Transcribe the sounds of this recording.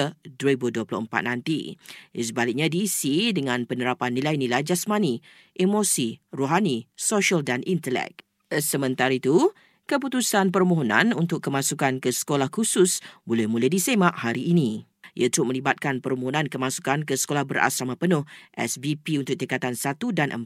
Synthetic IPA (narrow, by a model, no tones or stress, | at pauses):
ədɾaibuduwəplʊ̰həmpa̰t̪̚nãnt̪ḭs̬əbalik̚ɲadiːsidəŋãnpənəɾapanːilajnilajd͡ʒasmani | ʔimosiroɦanisoʃaldanint̪əlɛ̰k̚ | səmə̃nt̪aɾit̪u | kəp̬ut̪usanpərmoɦonã̰nunt̪ʊkːəmasukankəsə̥kolahkususbolɛhmuləhdisemaʔhaɾiʔːnĩ | iət̪əɾʊmə̃libat̪̚kanpəɾmoɦonãnkəmasu̥kankəsə̥kolahbəɾʔa̰samapənʊ̃hʔɛ̰sbipiunt̪ʊk̚t̪əkat̪ansat̪udanʔə̰m